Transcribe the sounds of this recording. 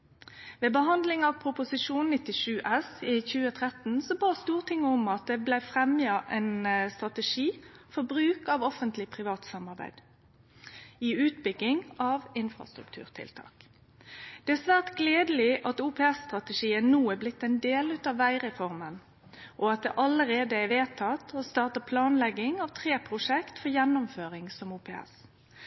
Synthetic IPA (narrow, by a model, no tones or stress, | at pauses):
ʋeːbəɦɑnd̪lɪŋɑʋpʰʁʊpʊsɪʂuːnnɪt̪ːɪʂʉːʔɛsiçʉːət̪ʰʁɛt̪n̩sɔbɑːst̪uːʁt̪ʰɪŋːəɔmɑt̪̚d̪ɛblæɪfʁɛmjɑʔɛnst̪ʁɑt̪əʂiːfɔbʁʉːkɑʋɔfənt̪lɪpʰʁɪʋɑːt̪sɑmːɑʁbæ̰ɪd̪̥ | iʉːt̪bʏɡːɪŋɑʋɪnfʁɑ̰st̪ɾʉ̰kt̪ʰʉ̰ːʁt̪ʰɪ̰lt̪ʰɑ̰ːk | d̪̥ɛæsʋæːʁt̪ɡleːd̪əlɪʔɑt̪uːpʰɛːɛsːt̪ʁɑt̪əʂiːənuːəblɪt̪ːɛɪnd̪eːlʉːt̪ɑʋːæɪʁɛfɔʁmən | ʔɔɑt̪̚d̪ɛ̰ʔɑləɾeːd̪əæɪʋeːt̪ʰɑt̪ʰɔst̪ɑːʁt̪əpʰlɑːnlɛɡɪŋɑʋt̪ʰʁeːpʰʁʊʂɛkt̪fɔʁjɛnːʊmføːʁɪŋsɔmuːpʰeːɛ̰s